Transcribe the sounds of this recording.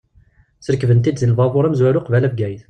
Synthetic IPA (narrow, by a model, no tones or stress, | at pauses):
səɾkvənt̪id̪zilvɑðˤoɾæmzwæɾuqvælævɡæjθ